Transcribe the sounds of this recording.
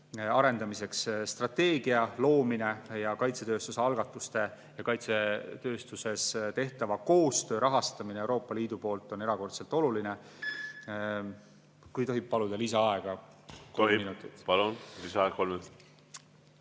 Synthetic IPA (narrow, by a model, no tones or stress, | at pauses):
ɑɾe̞nd̪̥ɑmise̞ksst̪rɑt̪ːe̞ːɡ̥iɑlo̞ːmine̞jɑkɑjt̪se̞t̪ø̞ːst̪useɑlɡ̥ɑt̪ːˑust̪e̞ | jɑkɑjt̪set̪ø̞ːst̪use̞st̪e̞ht̪ɑvɑko̞ːst̪ø̞ːɾʔɑɦɑst̪ɑminewɾo̞ːpːˑɑliːd̪upo̞ːlt̪ːˑo̞ne̞ɾɑko̞rt̪selt̪ˑo̞luline | kujt̪o̞ɦib̥̚pːɑlud̪̥ɑlisɑɑeɡ̥ɑt̪oiminut̪ːˑit̪pɑlunlisɑɑekolmet̪